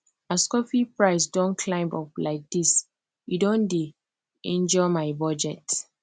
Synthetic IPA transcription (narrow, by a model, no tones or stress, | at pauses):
askɔfipɹaɪs̬dõnkʰlãɪ̃mɔplaɪk̚dis | judõnde | ĩnd͡ʒɔmaɪbɔd͡ʒɛt